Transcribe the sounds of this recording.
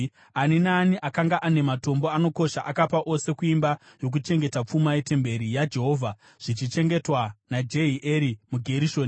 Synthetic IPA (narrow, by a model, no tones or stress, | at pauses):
aninaːniʔakaŋɡaʔane̞mato̞mboano̞ko̞ʃaʔakapaʔo̞se̞kuimba | jo̞k̬ut͡ʃe̞ŋɡe̞tap͡fumajete̞mbe̞ɾijad͡ʒe̞ɦo̞ːvʱa | ʐ̥it͡ʃit͡ʃe̞ŋɡe̞twanad͡ʒe̞iʔeɾimuɡʱe̞ɾiʃo̞ːni